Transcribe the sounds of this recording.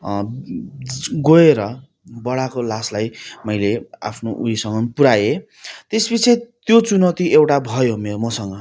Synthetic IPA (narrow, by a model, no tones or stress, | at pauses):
ɡoeɾʌ | bʌɽakolaslajmʌjlea̰pʰnoʔuisʌŋɡʌnpuɾaje | t̪esbit͡sʰet̪jot͡sunʌt̪iewʈabʱʌjomeɾomʌsʌŋɡʌ